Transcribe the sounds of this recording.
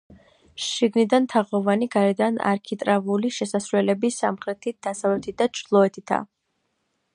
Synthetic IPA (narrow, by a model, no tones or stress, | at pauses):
ʃʃiɡnid̪ant̪ʰaʁɔvaniɡaɾɛd̪ana̰ɾkʰit̪ʼɾavuliʃɛsasɾwɛlɛbisamχɾɛt̪ʰid̪̥asavlɛt̪ʰit̪̚d̪at͡ʃʰɾlˠɔɛt̪ʰit̪ʰa̰